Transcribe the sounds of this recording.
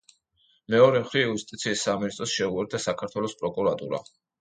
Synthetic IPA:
mɛɔɾɛmχɾiiust̪ʼit̪sʰiːsːaminist̪ʼɾɔsʃɛuɛɾd̪asakʰaɾt̪ʰwɛlɔspʼɾɔkʼuɾat̪ʼṵɾa̰

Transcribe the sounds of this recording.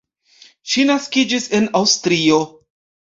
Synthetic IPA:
ʃinaskid͡ʒise̞nawstɾio̞

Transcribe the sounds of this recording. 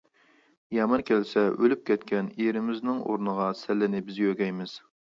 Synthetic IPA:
jɑmɑɾkʲʰɛlsɛʔølyp̚kʲʰɛt̪kʲʰɛniɾɪmɪznɪŋʔo̰ɾnəʁɑsɛlːɪnɪbɪzjøɡʲɛjmɪz̥

